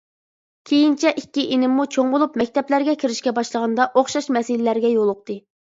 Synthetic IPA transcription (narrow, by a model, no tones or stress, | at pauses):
kʲʰejint͡ʃʰɛʔikʲːiʔinɪmːut͡ʃʰoŋbolˠupmɛkʲt̪ʰɛplæɾɡʲɛkʲʰiɾɪʃkʲɛbɑʃlˠəʁɑnd̪ɑʔoχʃɑʃmɛsɪlɪlæɾɡʲɛjolˠʊq̚t̪ɨ